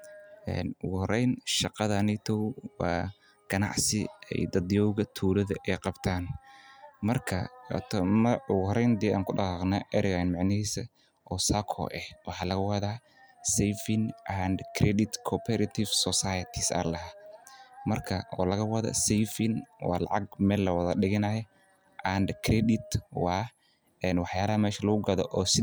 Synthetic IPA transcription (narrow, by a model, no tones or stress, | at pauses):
ʔɛ̰ːnʊɣʊhɔɾɛjnʃɑqɑðɐnɛt̪ʰɔwwɑː | ɡ̥ɐnɑ̰ʕsɪɛ̰jd̪ɐd̪jɔwɣɐt̪ʰuːlɐðɐʔɛjqɑbt̪ʰaːn | mɐrkʰɐ̰t̪ʰmɐʊɣʊhɔɾɛjnd̪ɛʔaːŋkʰʊɖɑɑqnɐʔɛɾɪɣanmɑʕnɪhiːsɐ | ʔɔːsaːkʰɔ̰ːʔɛhwɑħɑːlɐɣɐwɐðaː | sɛjfɪnʔand̪kʰɾɛd̪ɪt̪kʰɔpʰɛɾɐt̪ʰɪfsɔsajɐt̪ʰɪsɐ̰lɐɦa | mɐrkʰɐɔ̰ːlɐɣɐwɑðɐ̰sɛjfɪnwɑ̰ːlɑ̰ʕɑɡ̚mɛːlːɐwɐðɐɗɪɣɪnɐjɛ | ʔand̪kʰɾɛd̪ɪt̪wɑː | ɛnwɑħjaːlɐɦɐmɛːʃɐlɐɣʊɡɐðɔ̰ʔɔːsɪ